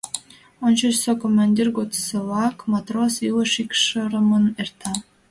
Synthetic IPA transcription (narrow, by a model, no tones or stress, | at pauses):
ont͡ɕoɕsokomːɑnʲdʲirɡot̪səβɑkmat̪rosilˠəʃikʂəɾə̆mənert̪ʰɑ